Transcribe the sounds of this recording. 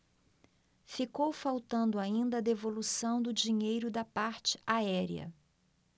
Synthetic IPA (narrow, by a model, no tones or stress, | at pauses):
fikowfawt̪ɐ̃nd̪ʊaĩnd̪ɐːd̪evolusɐ̃w̃d̪ʊd͡ʒiɲejɾʊd̪ɐpaɾt͡ʃɪ̥aɛɾiɐ̰